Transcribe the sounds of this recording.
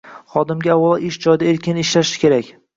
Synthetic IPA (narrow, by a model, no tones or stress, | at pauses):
χɒd̪ɪmɡʲaawɒlˠaʔɪʃd͡ʒɒjd̪aeɾkʲʰɪnɪʃlaʃɪ̥kʲʰe̞ɾakʲ